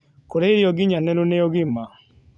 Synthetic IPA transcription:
koɾeɾiɔɡiɲanɛnuneɔɣima

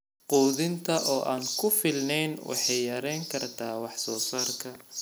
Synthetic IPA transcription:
quːðɪnt̪ʰɐʔɔːʔaːŋkʰʊfɪlnɛjnwʔɑ̰ħɑjːɐɾɛjŋkʰɐrt̪ʰaːwɑħsɔːsaːrkʰɐ

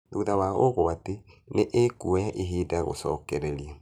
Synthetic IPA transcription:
ðuðawaoɣoate | neʔekuɔjaʔeɦeːdaɣo̰sɔ̰ːkɛɾɛɾija

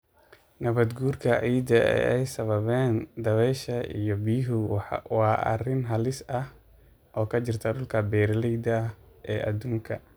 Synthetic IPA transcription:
nɐβɐd̪ɡuːrkʰɐʔijd̪ɐɛ̰ɛjsɐβɐβɛːnd̪ɐβɛjʃɐḭjɔbiːɦʊwɑːʔɐ̰rɪnɦɐlɪsɐh | ʔɔːkʰɐd͡ʒɪrt̪ʰɐdʊlkʰɐbɛːɾlɛjd̪ɐ | ʔɛːʔɐ̰d̪uːŋkʰɐ

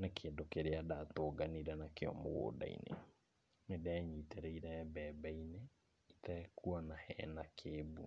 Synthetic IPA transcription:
nekʰeːndokeɾeadatoːɡaniɾanakeɔ̰mo̰ɣo̰da̰ḭnḛ | medɛɛɲiteɾɛiɾɛbɛːbɛine | itɛkuɔnahɛ̰nakʰeːbu

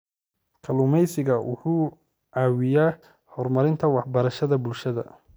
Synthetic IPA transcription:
kʰɐlʊmɛjsɪɣɐwʔʊ̰ħuː | ʔaːwɪjaː | hɔːrmɐɾɪnt̪ʰɐwɑħbɐɾɐʃɐðɐbʊlʃɐðɐ̰

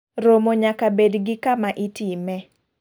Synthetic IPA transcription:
ɾomoɲakabedɡɪkamaʔitimɛ

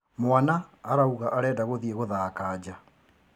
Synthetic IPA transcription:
mwanaːɾauɣaʔaɾɛːdaɣoðieɣoðaːkad͡ʑa

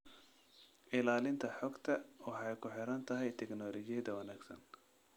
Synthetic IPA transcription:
ʔɪlaːlɪnt̪ʰɐħɔɡt̪ʰɐwɑħɑjkʰʊħɪɾɐnt̪ʰɐɦɛjt̪ʰɛknɔːlɔd͡ʒɪjɐd̪ɐwɐnaːɡsɐ̰n

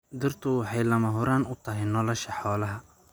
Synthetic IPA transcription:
d̪ɪɾt̪ʰʊwħɛjlɐmɐɦʊɾaːnʊt̪ʰɐɦɪnɔlɔʃɐħɔːlɐɦɐ

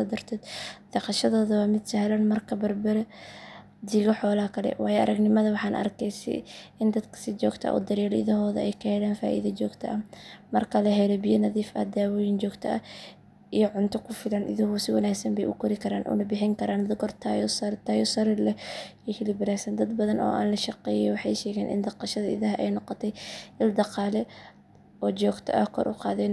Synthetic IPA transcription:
ɔd̪ɐrt̪ʰɛːd̪d̪̥ɐqɑʃɐðɔːðɐwɑːmɪd̪sɐhlɐnmɐrkʰɐbɐrbɐɾɐ | d̪iːɣɔħɔːlɐɐkʰɐlɛ̰wɑːjɛʔɐ̰ɾɐɡnɪmɐðɐwɑħɑːnʔɐ̰rkʰɛjsɪ̰ɪnd̪ɐd̪kʰɐ̥sɪt͡ʃɔːɡt̪ʰɐ̰ʔɔ̰ːd̪ɐɾɛːlɪ̰ðɐɦɔːðɐ̰ɛjkʰɐhɛlaːnfa̰ːʔḭðɐt͡ʃɔːɡt̪ʰɐɐmɐrkʰɐlɐɦɛlɔbɪjɐnɐðiːfɐ̰d̪aːwɔːjɪnt͡ʃɔːɡt̪ʰɐɐ | ijɔʕʊnt̪ʰɔkʰʊfɪlɐnʔɪ̰ðɐɦʊsɪwɑnaːɡsɐmbɛ̰jʔʊkʰɔɾɪkʰɐɾaːnʔʊ̰nɐbɪħɪŋkʰɐɾaːnd̪ɡɔrt̪ʰajɔsɐɾt̪ʰaːjɔsɐɾɪlɛɛhɪlɪbɐɾaːsɐnd̪ɐd̪bɐðɐnɔ̰ːʔa̰ːnlɐʃɑqɛːjɛjɔwɑħɑjʃɛːɣɛːnʔɪ̰nd̪ɑqɑʃɐðɐɪ̰ðɐɦɐʔɛ̰jnɔqɔt̪ʰɛjɪld̪ɑqɑːlɛ | ɔːt͡ʃɔːɡt̪ʰɐ̰ʔɐhkʰɔ̰ːɾʔʊqɑ̰ːðɛn

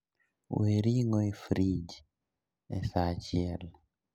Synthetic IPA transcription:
weɾiŋɔifɾid͡ʒ | ɛsat͡ʃiɛl

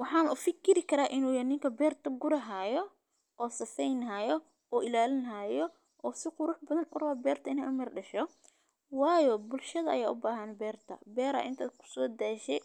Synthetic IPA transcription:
wɑħɑːnɐʊfɪkʰɪɾɪkʰɐɾaːʔɪnuːjɐnɪŋkʰɐbɛːrt̪ʰɐɡʊɾɐɦaːjɔ | ʔɔːsɐsɛjnɦajɔ | ɔːʔɪlaːlɪnɦajɔ | ʔɔːsɪqʊɾʊħbɐðɐnʊ̰rɐwabɛːrt̪ʰɐɪnɛʔʊmɐrɖɐʃɔ | wɑːjɔbʊlʃɐðɐɐ̰jaːʔʊbaːɦɐnbɛːrt̪ʰɐ̰bɛːɾɐ̰ʔɪ̰nt̪ʰa̰ːd̪kʰʊ̥sɔːd̪aːʃɛ

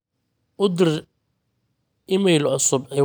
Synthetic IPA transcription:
ʔʊd̪ɪr | ʔɪmɛjlʕʊsʊbʕɪ

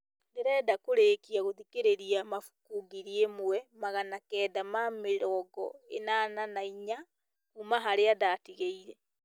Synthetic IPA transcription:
ndɛɾɛdakoɾeːkiaɣoðikeɾeɾiamafu̥kuɡiɾiemwwɛmaɣanakɛːdamameɾɔɡɔ̰ḛnananaiɲa | kumaɦaɾeadatiɣeiɾɛ

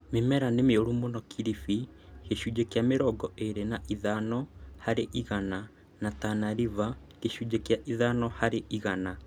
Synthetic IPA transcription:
memɛɾanemeoɾumonɔkʰiɾifi | keʃud͡ʒɛkjameɾɔːɡɔʔeɾenaʔiðanɔhaɾeʔiɣana | natanaɾiva | keʃud͡ʒɛkjaʔiðanɔhaɾeʔiɣana

